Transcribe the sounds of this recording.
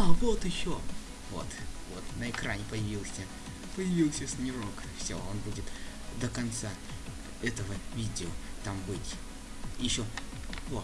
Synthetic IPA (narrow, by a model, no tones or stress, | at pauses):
avo̞t̪ɪɕːo | vo̰t̪vot̪nəɪkɾanʲɪpəjɪvʲilˠsʲə | pəjɪvʲilˠsʲəsnʲɪɾok | fsʲo̰o̞nbudʲɪt̪d̪əkɐnt̪sa | ɛt̪əvəvʲidʲɪot̪ambɨtʲ | jɪɕːovo